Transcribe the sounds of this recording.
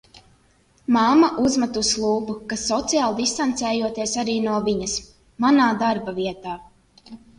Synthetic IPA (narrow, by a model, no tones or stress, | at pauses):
mamaʔuzmat̪uslˠuːbukasːɔt̪sijaːlˠd̪ist̪ant̪sɛːjuɔt̪iɛsaɾiːnuɔviɲɐs | manaːd̪aɾbaviɛt̪aː